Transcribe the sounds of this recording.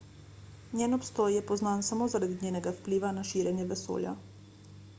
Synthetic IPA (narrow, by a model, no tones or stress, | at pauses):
njeːnɔpst̪ɔːjjɛpɔznaːnsamoːzaɾad̪iɲʲeːnɛɡafpliʋanaʃiːɾʲjɛnjɛʋɛso̰ːlja̰